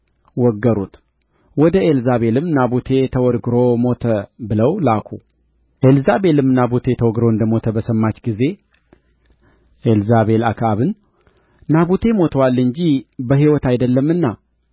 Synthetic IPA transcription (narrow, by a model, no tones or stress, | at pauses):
wɔɡːəɾut̪ | wɔd̪əelzaβe̞lɨmnabut̪ʰe̞t̪ʰəwɔɾɡɨɾo̞mo̞t̪ʰəbɨləwlakʰu | ʔelzabe̞lɨmnabut̪ʰe̞t̪ʰəwɔɡɾoɨnd̪əmo̞t̪ʰəbəsəmːat͡ʃːɡize̞ | ʔelzaβe̞lakʰaβɨn | naβut̪ʰe̞mo̞t̪ʰəwalːɨɲd͡ʒibəɦiwɔt̪ajd̪əlːəmːɨnːa